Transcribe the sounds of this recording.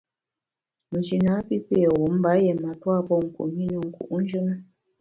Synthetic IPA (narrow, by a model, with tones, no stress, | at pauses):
mə˨t͡ʃi˨na˨˦pi˦pe˦˨wu˨˦m̩˦ba˨˦jɛ˨ma˨twa˦˨pɔ˦˨ŋ̩˨kṵ˨ʔmi˦nə˨ŋ̩˨kṵ˨ʔn̩˦d͡ʒə˦nə˦